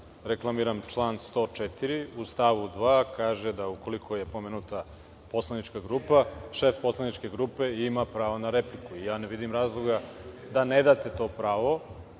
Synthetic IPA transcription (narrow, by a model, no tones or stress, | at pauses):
ɾeklˠamiːɾamt͡ʃlˠaːnst̪o̞ːt͡ʃet̪iɾiust̪aʋud̪ʋaːkaːʒed̪auko̞likʰo̞je̞pomeːnut̪a | po̞slˠanit͡ʃkaɡɾuːpaʃefpo̞slˠanit͡ʃke̞ɡɾuːpe̞imapɾaːʋonaɾeplikuijaːneʋid̪imɾaːzlˠoɡad̪aned̪aːt̪e̞t̪o̞ːpɾaːʋo̞